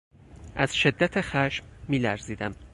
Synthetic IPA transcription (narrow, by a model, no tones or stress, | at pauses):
ʔæz̥ʃe̞d̪ːæt̪ʰexæʃmːiːlæɾziːd̪æm